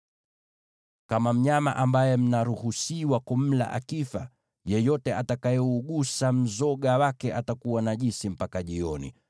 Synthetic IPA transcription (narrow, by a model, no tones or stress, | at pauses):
kamam̩ɲamaʔambajɛm̩naɾuhusiwakum̩la̰ʔa̰kifa | jɛjɔtɛʔatakajɛuɠusam̩zɔɠawakɛʔatakuwanaʄisim̩pakaʄiɔnḭ